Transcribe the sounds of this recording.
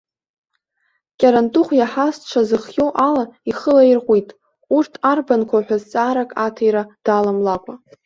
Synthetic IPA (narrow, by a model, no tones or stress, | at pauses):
kʲʼaɾantʼuχʷjaħast͡ʃʷʰazɨχjowʔalaiχəlairqʷitʼ | urtʰarbankʷʰaħʷᶣazt͡sʼaːɾakʼatʰajɾad̥alamlakʷʼa